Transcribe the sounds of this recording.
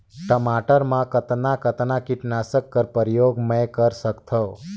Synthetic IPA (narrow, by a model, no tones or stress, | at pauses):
ʈəmaʈəɾmãkət̪nakət̪nakiʈnasəkːəɾpəɾjoɡmə̃jkəɾsəkt̪ʰə